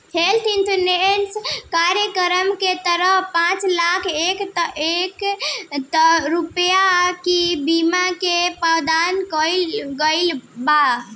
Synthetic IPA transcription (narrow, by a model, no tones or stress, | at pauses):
elt̪ʰint̪ənenskaɾjəkəɾəmket̪əɾəɦpãt͡ʃlakʰekt̪əʔekt̪əɾupjakibimakepawd̪ankəlɡəɪlba